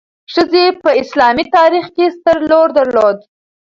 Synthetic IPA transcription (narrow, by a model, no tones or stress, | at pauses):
ʂəzepəɪslɑmit̪ɑɾixkest̪əɾloɾd̪əɾlod̪